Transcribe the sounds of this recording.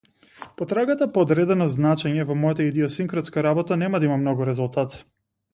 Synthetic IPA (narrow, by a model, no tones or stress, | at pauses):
pɔt̪ɾaɡat̪apɔːd̪ɾɛd̪ɛnɔznat͡ʃɛɲɛvɔmɔjat̪aid̪ɛɔsiŋkɾɔt̪skaɾabɔt̪anɛmad̪aimamnɔɡuɾɛzulˠt̪at̪